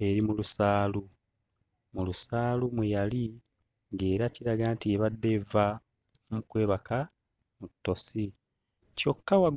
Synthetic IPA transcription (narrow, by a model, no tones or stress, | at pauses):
e̞ɾimulusaːlu | mulusaːlumujali | ŋɡe̞ːɾaciɾaɡaːntieβadːe̞va | mukwe̞ːβaka | mutːo̞si | co̞kːawa